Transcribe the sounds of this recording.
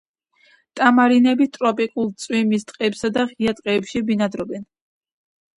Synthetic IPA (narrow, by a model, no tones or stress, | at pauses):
t̪ʼamaɾinɛbit̪ʼɾɔpʼikʼulˠt̪sʼwimist̪ʼqʼɛːpsad̪aχiat̪ʼqʼɛːpʃibinad̪ɾɔbɛn